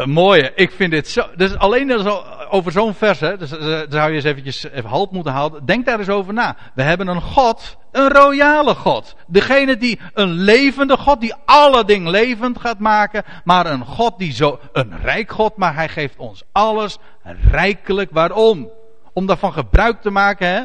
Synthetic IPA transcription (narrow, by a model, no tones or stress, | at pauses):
moːjəʔɪkfɪndɪtsodøsalejns | owvərzownfɛrsɛddsawjəəs̬eːvən̩cjəsɦɑlˠp̚mutənɦaːdəndɛŋk̚daːɾɪs̬owvərnaː | ʋəɦɛbənənχɔt | ənrojaːləχɔt | dəχejnədi | ənlejvəndəχɔt̚diɑlədɪŋəlejvəntχaːtmaːkə | maːɾənχɔt̚dizo | ənrɛjkχɔt̚maːrɦɛjχejftɔnsɑləs | rɛjkələkʋaːɾɔm | ɔmdaːɹfɑnχəbrœɥk̚təmaːkənɦɛ